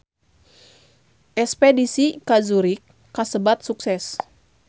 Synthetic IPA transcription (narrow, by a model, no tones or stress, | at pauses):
ʔɛspɛdisikazuɾikː | asəbat̪̚suksɛs